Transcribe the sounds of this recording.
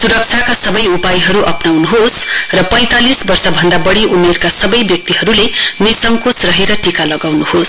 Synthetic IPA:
suɾʌk̚t͡ʃʰakasʌbʌjupajɦʌɾuʔʌpnawnuɦosrʌpʌ̃j̃t̪alisbʌrsʌbʱʌnd̪abʌɽiʔumerkasʌbʌjbjʌk̚t̪iɦʌɾulenisʌŋkot͡srʌɦeɾʌʈikalʌɡawnuhos

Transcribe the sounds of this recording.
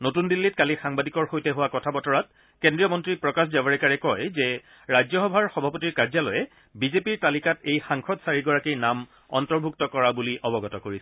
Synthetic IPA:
notundilːit̚kalixaŋbadikɔɹxojtɛɦʊwakɔtʰabɔtɔɹat̚ | kendɹijɔmɔntɹipɹɔkasdabaɹɛkaɹɛkɔjzɛ | ɹajzɔxɔbʱaɹxɔbʱapotiɹkaɹzalɔjɛ | bizepiɹtalikatejxaŋxʰɔdsaɹiɡɔɹakijnam | ɔ̰ntɔɹbʱuk̚tɔkɔɹabuliʔɔbɔɡɔtɔkoɹisɛ

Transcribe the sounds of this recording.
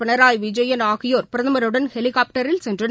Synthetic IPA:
ɪɳɐɾaːjʋɪd͡ʒɐjɐnaːɣɪjoːɾpɪɾɐðɐmɐɾɯɽɐnhɛlɪkaːp̚ʈɐɾɪlsɛndrɯ

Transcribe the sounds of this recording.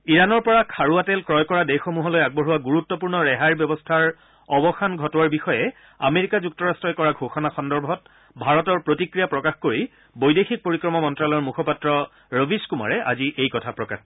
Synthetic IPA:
iɹanɔɹpɔɹakʰaɹuatɛlkɹɔjkɔɹadejxɔmuɦɔlojaɡ̚bɔɦuwaɡuɹutːɔpuɹnɔɹɛɦajɹbjɔbɔstʰaɹ | ɔbɔxanɡʱɔtɔwaɹbixɔjɛ | a̰meɹikazuk̚tɔɹastɹɔjkɔɹaɡʱoxɔnaxɔndɔɹbʱɔt̚ | bʱaɹɔtɔɹpɹotikɹijapɹɔkaxkoɹi | bojdexik̚poɹikɹɔmɔmɔntɹalɔɔɹmukʰɔpatɹɔ | ɹəbʱiskuma̰ɹɛʔa̰ziʔejkɔtʰapɹɔka̰x

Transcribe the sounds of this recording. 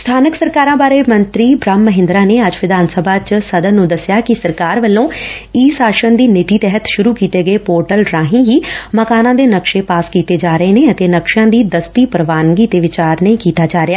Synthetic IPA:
st̪ʰaːnəksəɾkaːɾãːbaːɾeːmənt̪ɾiːbɾəmːəɦɪ̃nd̪ɾaːneːəd͡ʒʋɪd̪aːnsəbʱaːt͡ʃsəd̪ənnũːd̪əsɪjaːkɪsəɾkaːɾʋəlːõːiːsaːʃənd̪iːnɪt̪iːt̪ɛɦət̪ʃʊɾuːkiːt̪eːɡəeːpoːɾʈəlɾãːɦĩːɦiːməkaːnãːd̪eːnəkʃeːpaːskiːt̪eːd͡ʒaːɾəeːneːət̪eːnəkʃjãːd̪iːd̪əst̪iːpəɾʋaːnɡiːd̪eːʋɪt͡ʃaːɾnəĩːkiːt̪aːd͡ʒaːɾɪaː

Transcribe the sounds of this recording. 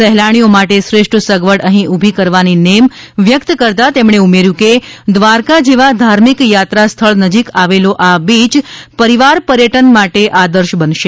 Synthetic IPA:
sɛɦlaɽ̃iomaʈesɾeʂʈʰəsəɡʋəɽəɦĩʔubʱikəɾʋaninem | ʋjəkt̪kəɾt̪at̪emɳeumeɾjũked̪ʋaɾkad͡ʒeʋad̪ʱaɾmikjat̪ɾast̪ʰəɭnəd͡ʒikaʋeloʔabit͡ʃpəɾiʋaɾpəɾjəʈənmaʈeʔad̪əɾʃbənʃe

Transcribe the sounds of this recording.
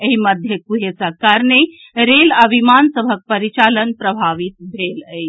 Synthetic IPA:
eɦiməd̪ʱjəkuɦesəkəɾne | ɾelaʋimansəbʱək̚pəɾit͡ʃalənpɾəbʱaʋit̪̚bʱeləj

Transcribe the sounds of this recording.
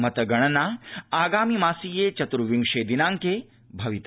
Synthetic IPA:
mɐt̪ɐɡɐɽ̃ɐnaaːɡaːmimaːsiːjet͡ʃɐt̪ɾuʋiŋʂed̪inãːŋke | bʱɐʋit̪

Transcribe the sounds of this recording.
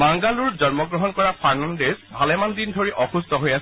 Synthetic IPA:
baŋɡaluɹzɔnmɔɡɹɔɦɔnkɔɹapʰaɹnandezbʱalɛmandindʱoɹiʔɔxustɔɦojas

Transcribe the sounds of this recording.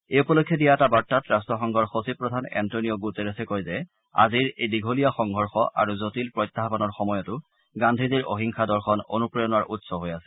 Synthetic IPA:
eupɔlokʰːjɔdijaɛtabatːatɹastɹɔxɔŋɡʱɔɹxosipɹɔdʱanɛ̰ntonijoɡuteɹesɛkojzɛ | a̰ziɹejdiɡʱolijaxɔŋɡʱɔɹxɔʔa̰ɹuzotilpɹɔjtːaɦpɔnɔɹxɔmɔjɔtʊ | ɡandʱiziɹo̰ɦiŋxʰadɔɹxɔno̰nupɹɔjɔnaɹʔutsɔɦojasɛ̥

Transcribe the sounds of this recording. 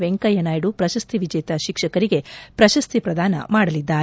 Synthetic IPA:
ʋeŋkɐjɐnaːjɽupɾɐʃɐst̪ʰiʋid͡ʒɐjt̪ɐʃikʂɐkɐɾiɡe̞pɾɐʃɐst̪ʰipɾɐd̪ʱaːnɐ̰maːɽɐlid̪ːaːɾ

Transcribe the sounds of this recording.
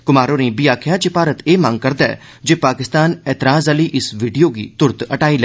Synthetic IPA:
kʊmaːɾoːnĩːbiːaːkʰɪjaːt͡ʃɪpaːɾət̪eːmãŋɡ̚kəɾd̪aɛ̰ː | d͡ʒeːpaːkɪst̪aːnɛːt̪ɪɾaːzəliːʔɪsʋiːɖijoːɡḭːt̪ʊɾt̪əʈaːiːlɛ

